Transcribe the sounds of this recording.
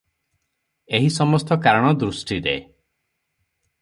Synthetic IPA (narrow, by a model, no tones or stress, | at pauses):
eɦisɔmɔst̪ɔkaɾɔɽ̃ɔd̪ɾusʈidee